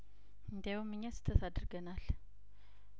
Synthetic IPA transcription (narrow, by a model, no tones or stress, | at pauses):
nd̪jawomːɨɲːasɨ̥t̪ʰːət̪ʰad̪ɨɾɡənal